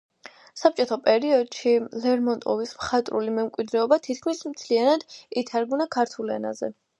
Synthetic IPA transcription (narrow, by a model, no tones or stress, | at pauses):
sap̚t͡ʃʼɔt̪ʰɔpʼɛɾiɔd̪ʃilɛɾmɔnt̪ʼɔ̰vismχat̪ʼɾṵlimɛmkʼwid̪ɾɛɔbat̪ʰit̪ʰkʰmismt̪sʰlianad̪it̪ʰaɾɡunakʰaɾt̪ʰulɛ̰na̰zɛ̰